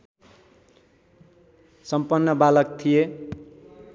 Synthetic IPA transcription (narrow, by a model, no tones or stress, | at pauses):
sʌmpʌnːʌbalʌk̚t̪ʰije